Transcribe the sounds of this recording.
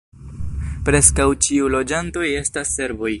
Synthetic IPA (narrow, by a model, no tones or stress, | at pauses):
pɾe̞skawt͡ʃiulo̞d͡ʒanto̞je̞stasːe̞ɾvo̞j